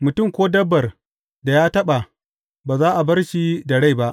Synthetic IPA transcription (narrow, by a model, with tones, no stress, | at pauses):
mʊ˨tʊ˦˨mkʷoː˦dɐ˦bːɐ˨r | da˨jaː˦tɐ˦ɓa˨ | baː˨zaː˦ʔa˨bɐ˦rʃi˦dɐ˨ɽa˦jba˦ʔ